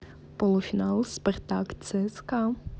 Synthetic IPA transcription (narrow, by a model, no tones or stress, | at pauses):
pɔlˠufʲinɑlˠspɐrt̪akt̪sɛska